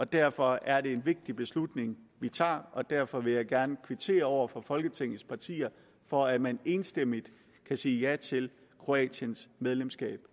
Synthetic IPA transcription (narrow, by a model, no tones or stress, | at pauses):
ɒ̽d̥æɐfɒ̽æɐɾe̝e̝nʋe̝ɡ̥̚d̥ib̥e̝slud̥ne̝ŋʋit͡sʰɑ̰̈ːʔɒ̽d̥æɐfɒ̽ʋe̝jɑ̈ɪɡ̥æɐnəkʰʋit͡sʰe̝̰ːɐɒʊ̰ɐfɒ̽fɒ̽lɡ̥ət͡sʰeŋ̰ð̩ˠspʰɑ̈t͡sʰḭːɐ | fɒ̽æ̥mæne̝ːnsd̥em̰id̥ | kʰæsiːjæt͡sʰe̝l | kʰʁo̝ɛ̰ːɕjənsmeð̞ˠlemsɡ̥ɛ̰ːb̥